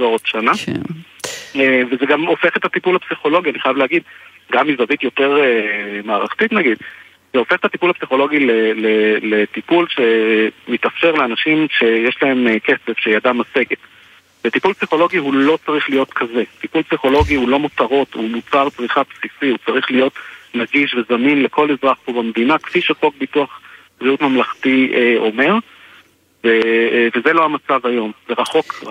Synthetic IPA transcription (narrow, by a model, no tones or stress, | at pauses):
zoʁotʃana | evezeɡamo̞fe̞χet̪at̪ipulhapsiχo̞lo̞ɡianiχajavleaɡid̪̚ | ɡamːizavitjo̞te̞ʁemaːʁaχt̪itnaɡid | zeo̞feχet̪at̪ipulhapsiχo̞lo̞ɡilelelet̪ipulʃe̞mːit̪afʃe̞ʁleanaʃimʃe̞jeʃlae̞mke̞t͡se̞vʃeiadamːaseɡet | vetipulpsiχo̞lo̞ɡihulo̞t͡saʁiχlijo̞t̪kʰaze̞t̪ipulpsiχo̞lo̞ɡiulo̞mutaʁo̞tumut͡salt͡sʁiχapsisihut͡saʁiχlijo̞tnaɡiʃvezaminle̞kʰo̞lezʁaχpobamd̪inakfiʃafo̞k̚bituaχkʁiut̪mamlaχt̪ieo̞me̞ʁ | vevezelohamat͡savajo̞mzeʁaχo̞k